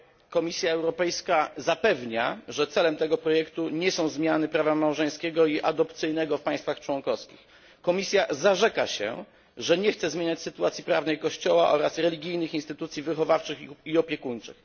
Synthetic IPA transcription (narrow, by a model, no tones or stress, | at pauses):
kɔmʲisʲjaɛwɾɔpɛjskazapɛvɲaʐɛt̪sɛlɛmt̪ɛɡɔpɾɔjɛkt̪uɲɛsɔ̃w̃zmʲjanɘpɾavamawʐɛj̃skʲɛɡɔiʔad̪ɔpt̪sɘjnɛɡɔfpaj̃st̪faxt͡ʂwɔŋkɔskʲix | kɔmʲisʲjazaʐɛkaɕɛ̰ | ʐɛɲɛxt̪sɛzmʲjeɲat͡ɕʲsɘt̪uat̪sʲjipɾavnɛjkɔɕt͡ɕɔwaʔɔ̰ɾasɾɛlʲiɡʲijnɘxinst̪ɘt̪ut̪sʲjivɘxɔvaft͡ʂɘxiɔpʲjɛkuɲt͡ʂɘ̰x